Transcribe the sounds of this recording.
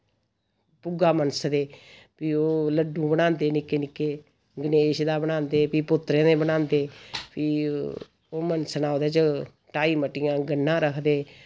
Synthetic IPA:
pʊɡaːmənsd̪eː | piːoːləɖũːbəɽãːnd̪eːnɪkːeːnɪkːeː | ɡəneːʃd̪aːbənãːnd̪eːpiːpʊt̪ːɾẽːneːbənãːnd̪eːpiː | oːmənsnaːoːd̪eːt͡ʃə | ʈaːiːməʈɪjãːɡənːãːɾəkʰd̪eː

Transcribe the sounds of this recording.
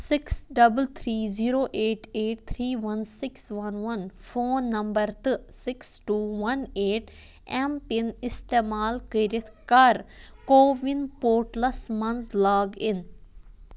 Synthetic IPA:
sɪksɖɐbəlt̪ʰɾiːziːɾoːʔeːʈeːʈ̚t̪ʰɾiːʋɐnsɪksʋɐnʋɐnfoːnːɐ̃mbəɾt̪ɨsɪksʈuːʋɐneːʈ | ɛmpɪnɪst̪eːmaːlkiɾɪt̪ʰkɐɾkoːʋɪnpoːɾʈlɐsmɐnslaːɡɪn

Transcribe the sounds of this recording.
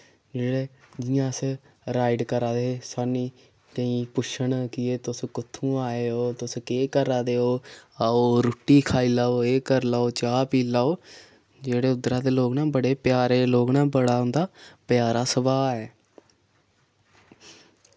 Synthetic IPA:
d͡ʒeːɽeːd͡ʒɪjãːs | ɾaːɪɖkəɾãːd̪esaːniː | t̪əĩːpʊʃəɳkɪeːt̪ʊskʊt̪ʰːũːaːeːɦoːt̪ʊskeːkəɾaːd̪eːɦoːaːoːɾʊʈːiːkʰaːiːlaːoːeːkəɾlaːoːt͡ʃaːpiːlaːoː | d͡ʒeːɽeːʊd̪ɾãːd̪eːloːɡnãːbəɽeːpjaːɾeːloːɡnãːbəɽaːʊnd̪aːpjaːɾaːsəbaːɛː

